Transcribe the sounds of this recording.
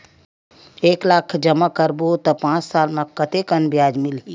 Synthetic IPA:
eːklaːkʰd͡ʒəmakəɾbot̪ɐpãːt͡ʃsaːlmãkət̪ekənbjaːd͡ʒmɪl

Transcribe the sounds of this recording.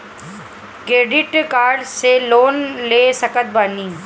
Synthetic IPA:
kɾeːɖɪʈkaːɾɖseloːnleːsɐkət̪̚baːniː

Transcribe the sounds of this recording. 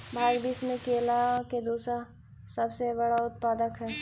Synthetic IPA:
bʱaːɡbiːsmẽkeːlaked̪uːsɾa | sɐbsebɐɽaʊt̪̚paːd̪əkɦɛː

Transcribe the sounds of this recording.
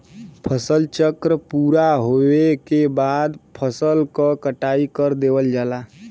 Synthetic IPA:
pʰəsəlt͡ʃəkɾəpuːɾaɦoekebaːd̪pʰəsəlkəkəʈaːikəɾd̪eːwəld͡ʒaːla

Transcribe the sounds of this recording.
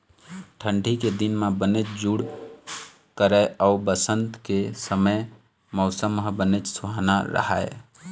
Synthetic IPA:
ʈʰə̃ɳɖʱiked̪inmabənet͡ʃd͡ʒuɽ | kəɾɛaʊbəsənt̪kesəməj | mɔʊsəmɦəbənet͡ʃsuɦanaɾə̰ɦa̰e

